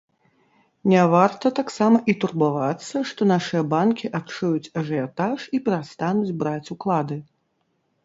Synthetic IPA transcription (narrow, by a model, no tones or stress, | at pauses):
nʲɛvart̪ɐt̪aksamɐʔit̪urbavat̪sːɐʂt̪ɔnaʂɨjɐbankʲiʔat̪t͡ʂujut͡sʲɐʐɛjat̪aʂipʲɛɾast̪anud͡zʲbɾat͡sʲuklˠad̪ɨ